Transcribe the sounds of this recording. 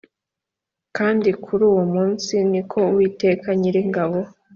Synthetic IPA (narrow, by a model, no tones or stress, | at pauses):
kaːndikʰuɾuːwomuːnsinikʰo̞wiːte̞ːkaɲiɾiŋɡaβo̞